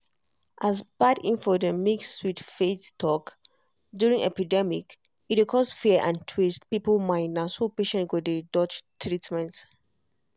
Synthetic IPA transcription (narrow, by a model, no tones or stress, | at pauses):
ʔazb̥adĩnfɔdəmikswitfettʰɔk | djuɹĩŋɛpidɛmik | itikʰɔsfiəʔãntʰwistpipəlmãɪnəshupeʃɛ̃ntɡudedɔt͡ʃtʰɹitmɛ̃nt